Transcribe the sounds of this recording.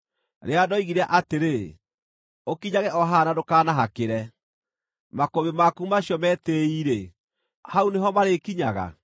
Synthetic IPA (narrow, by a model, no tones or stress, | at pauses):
ɾeadɔiɣiɾaʔateɾe | okiɲaɣɛʔɔɦanadokaːnaɦakeɾɛ | makoβemakumaɕjɔmɛːteiɾe | hauneɦɔmaɾekiɲaɣa̰